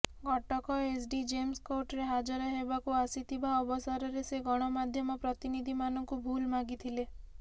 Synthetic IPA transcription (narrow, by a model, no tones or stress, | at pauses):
ɡʱɔʈɔkɔesɖid͡ʒemskoʈɾeɦad͡ʒɔɾɔɦebakuasit̪ʰibaɔbɔsaɾɔɾeseɡɔɽ̃ɔmad̪ʱjɔmɔpɾɔt̪inid̪ʱimanɔŋkubʱulmaɡit̪ʰile